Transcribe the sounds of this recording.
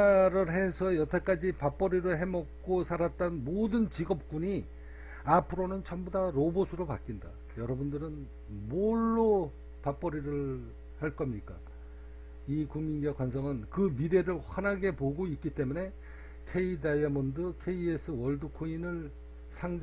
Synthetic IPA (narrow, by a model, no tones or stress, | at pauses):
ɾɯɭɦe̞sʰʌjʌtʰʌk͈ad͡ʑipap͈ʌɾiɾɯɭɦe̞mʌk̚k͈osʰaɾat̚t͈ʌnmodɯnt͡ɕiɡʌp̚k͈uɲi | apʰɯɾonɯnt͡ɕʰʌmbudaɾobosʰɯɾopat̚k͈inda̰ | jʌɾʌbundɯɾɯn | moɭːo | pap͈ʌɾiɾɯɭ | haɭk͈ʌmɲik͈a | ikuŋminɡjʌkwans̬ʰʌŋɯnkɯmiɾe̞ɾɯɭɸʌnaɡe̞poɡoit̚k͈it͈e̞mune̞ | kʰe̞idajʌmʌndɯkʰe̞ie̞sʰɯwʌɭdɯkʰoinɯɭ | sʰaŋd͡ʑ